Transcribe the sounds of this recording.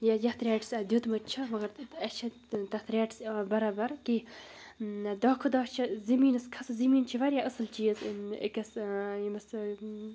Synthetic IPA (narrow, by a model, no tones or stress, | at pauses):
jajɐht̪ɾʲaːʈsɐd̪ʲjut̪mɐt̪t͡ʃʰɐmɐɡɐɾɐt͡ʃʰɐ | t̪ɐt̪ɾʲaːʈsbɐɾaːbɐɾki | d̪ɐːkʰud̪ɐːt͡ʃʰɐzɐmiːnɐskʰɐszɐmiːnt͡ʃʰiʋɐɾjaʔɐsɨlt͡ʃiːzə̰kɐsjmɐs